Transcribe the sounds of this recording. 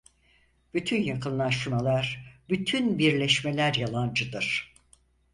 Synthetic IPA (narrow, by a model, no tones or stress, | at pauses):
b̥yt̪ʰynjakɯnlˠaʃɯmalˠaɾbyt̪ʰynbiɾlʲɛʃme̞lʲæɾjalˠand͡ʒɯd̪ɯɾ̥